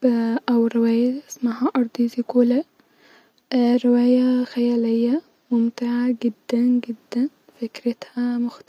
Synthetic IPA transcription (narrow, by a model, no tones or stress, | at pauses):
ʔawɾɪwaːjaʔɪsmaɦaʔɑɾˤd̪ˤizikuːla | ɾɪwaːjaxajaːlɪjːa | mʊmt̪ɪʕaɡɪd̪ːænɡɪd̪ːæn | fɪkɾɪt̪hamʊxt̪